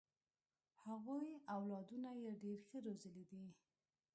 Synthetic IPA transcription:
haɣujawlɑd̪unajeɖeɾxəɾozəlid̪i

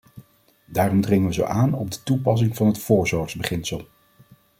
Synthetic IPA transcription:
daːrɔmdrɪŋəʋəzo̰wʔaːnɔb̚dətupɑs̬ɪŋvɑnɦətfʊːɹzɔːɹtzbəχɪnsəlˠ

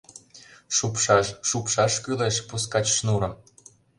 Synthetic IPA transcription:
ʃupʃɑʃʃupʃɑʃkyleʃpuskɑt͡ɕʃnuɾɤ̆m

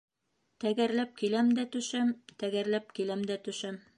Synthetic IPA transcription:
t̪æɡæɾlæp̚kilæmd̪æt̪ɵ̆ʃæmt̪æɡæɾlæp̚kilæmd̪æt̪ɵ̆ʃæm

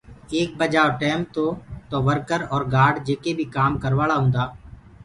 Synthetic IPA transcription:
eːk̚bəd͡ʒaːoʈɛːm̚t̪oːt̪oːʋəɾkəɾɔːɾɡaːɾɖd͡ʒeːkebʱikaːmkəɾʋaːɭaɦõːnd̪aː

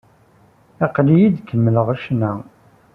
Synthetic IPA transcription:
ɑqlijid̪kːəmːələʁəʃnæ

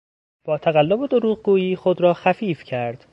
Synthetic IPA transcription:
b̥ɒːt̪ʰæɣælːobed̪oɾuːɣɡuːjiːxod̪ɾɒːxæfiːfcʰæɾd̪̥

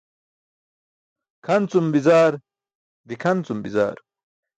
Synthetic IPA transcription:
kʰɐnt͡sumbizaːɾ | d̪ikʰɐnt͡sumbiza̰ːɾ

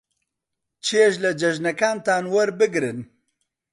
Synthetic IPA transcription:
t͡ʃʰeʃlɐd͡ʒɐʒnɐkaːnt̪aːnwɐɾbɨɡɾɨn

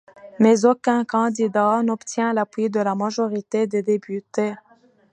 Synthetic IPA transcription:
mɛzokʲɛ̃kɑ̃d̪id̪anɔpt̪jɛ̃lapwid̪əlamaʒɔʁit̪ed̪ed̪epʰyt̪e

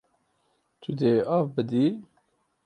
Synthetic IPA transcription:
t̪ʰud̪eaːvbɨd̪i

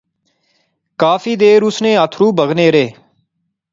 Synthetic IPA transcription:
kaːfiːd̪eːɾʊsnẽːət̪ʰɾuːbʱəɣneːɾeː

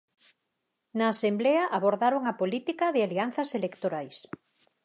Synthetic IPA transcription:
naːsembleaʔaβoɾðaɾoŋapolit̪ikaðɪalianθɐselekt̪oɾajs

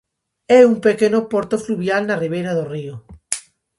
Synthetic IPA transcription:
eumpekenopoɾt̪ofluβjalnariβeɾaðorio

